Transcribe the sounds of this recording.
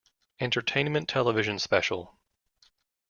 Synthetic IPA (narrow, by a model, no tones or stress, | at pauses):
ɛ̃ntʰə˞tʰẽɪ̃nmɨ̃ntʰɛlˠəvɪʒɨ̃nspɛʃl̩ˠ